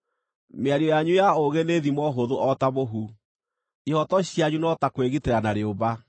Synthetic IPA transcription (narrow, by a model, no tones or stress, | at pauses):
meaɾiɔjaɲujaoɣeneðimɔɦoðoɔtaβoɦu | ihɔtɔɕiaɲunɔtakweɣiteɾanaɾeoβa